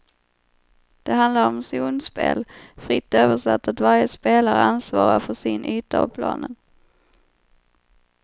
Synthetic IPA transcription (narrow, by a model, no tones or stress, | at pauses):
d̪̥ɛɦand̪laɾɔmsuːnspḛːlfɾɪt̪ːøːvəʂɛt̪ːat̪vaɾjəspeːlaɾəansvɑːɾafœʂɪnʔyːt̪apʰlɑ̰ːnən